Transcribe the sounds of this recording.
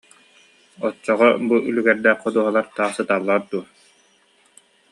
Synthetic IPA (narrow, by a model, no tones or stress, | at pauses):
ɔt͡sːɔʁɔbuʔylyɡɛɾd̪ɛːχqːɔd̪uɔɦɔlˠaɾt̪aːχsɯt̪aːlˠːaɾd̪uɐ